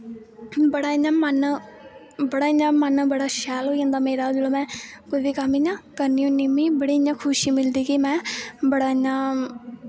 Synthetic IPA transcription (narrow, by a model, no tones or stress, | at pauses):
bəɽaːɪɲãːmən | bəɽaːɪɲãːmənbəɽaːʃɛːloːiːãːnd̪aːmeːɾaːd͡ʒəloːmɛ̃ːkoibiːkəmːiɲãːkəɾniːõːnimĩːbəɽiːɪɲãːkʰʊʃiːmɪld̪iːkɪmɛ̃ːbəɽaːɪɲːãː